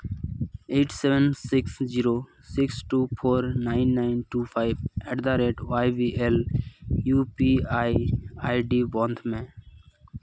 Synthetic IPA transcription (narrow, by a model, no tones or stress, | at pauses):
eːʈʰseʋənsɪksziːɾoː | sɪksʈuːpʰoːɾnaːɪnːaːɪnʈuːpʰaːɪʋeːɖd̪aːɾeːʈʋaːɪʋiːʔeːljuːpiːaːiaːiɖiːbɔ̃ːnd̪ʱmẽː